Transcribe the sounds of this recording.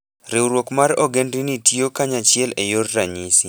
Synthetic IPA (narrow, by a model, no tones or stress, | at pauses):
ɾewɾwokmaɾɔɡendinitiokaɲat͡ʃɪɛlejorːaɲisi